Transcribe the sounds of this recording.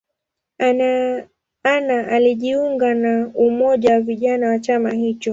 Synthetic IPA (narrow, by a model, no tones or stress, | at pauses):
anaʔaliʄiuŋɡanaumɔʄawaviʄanawat͡ʃamahit͡ʃɔ